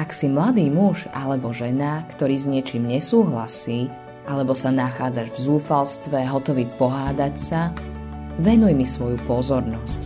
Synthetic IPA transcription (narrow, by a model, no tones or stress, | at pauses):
aksimlad̪iːmuʒalɛbɔʒɛnakt̪ɔɾiːzɲɪɛt͡ʃiːmɲɛsuːɦlasiː | ʔalɛbɔsanaxaːd͡zaʒvzuːfalst̪ʋɛɦɔt̪ɔʋiːpɔɦaːd̪acsa | ʋɛnujmisʋɔjupɔzɔɾnɔsc